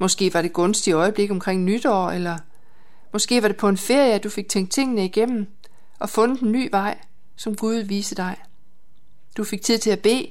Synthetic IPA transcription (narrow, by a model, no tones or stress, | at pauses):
mɒ̽sɡ̥e̝̰ːʋɑ̈ɾ̥e̝ɡ̥ɔ̽nsd̥iɒ̽ɪəb̥le̝ɡ̥əɒ̽mkʰʁeŋ̰nyd̥ɒ̰ːelɐ | mɒ̽sɡ̥e̝̰ːʋɑ̈ɾ̥e̝pʰɒ̽e̝nfe̝ɐ̰jəæd̥ufe̝ɡ̥̚t͡sʰeŋ̰ɡ̥̚t͡sʰe̝ŋ̰nəiɡ̥em̰mn̩ | ʔɒ̽fɔ̽nə̥enːy̰ːʋɑ̈ɪ̰ | sɒ̽mɡ̥uð̞ˠʋiːsəd̥ɑ̈ɪ | d̥ufe̝ɡ̥̚t͡sʰið̰ˠt͡sʰe̝æb̥e̝̰ː